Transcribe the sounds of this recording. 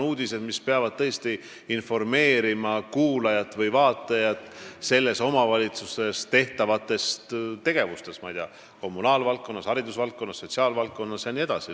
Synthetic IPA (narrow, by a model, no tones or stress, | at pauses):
nuːd̪ise̞d̪̥mispe̞ɑvɑd̪̥̚t̪ɤ̞est̪i | info̞rme̞ːɾimɑkuːlɑjɑt̪ːˑvɤjvɑːt̪ːˑɑjɑt̪ˑse̞lːe̞so̞mɑvɑlʲit̪suse̞st̪e̞ht̪ɑvɑt̪ːˑe̞st̪t̪e̞ɡ̥e̞vust̪e̞smɑ̰ijt̪eɑ | ko̞mːunɑːlvɑltk̚kːo̞nːɑshɑɾid̪usvɑlt̪̚kːˑonːɑsːo̞t̪ʲsiɑːlvɑlk̚kːo̞nːɑsjɑnie̞d̪̥ɑ̰si